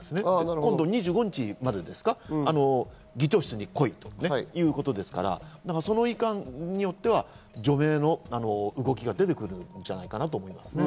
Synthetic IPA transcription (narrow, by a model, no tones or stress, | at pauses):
esɨnekõd̪o̞ɲ̟iʑɨːɡo̞ɲ̟it͡ɕimad̪ed̪e̞sɨ̥kaano̞ | ɡʲit͡ɕo̞ːɕi̥t͡sɨɲ̟iko̞it̪o̞̥nejɯ̟ːko̞t̪o̞d̪e̞sɨ̥ka̰ɾa̰naɡaso̞no̞ikãnɲ̟ijo̞t̪ːe̞βa | d͡ʑo̞me̞ːno̞ano̞ɯ̟ɡo̞kʲiɡad̪e̞t̪e̞kɯ̟ɾɯ̟nd͡ʑanaikanat̪oːmo̞imasɨ̥ne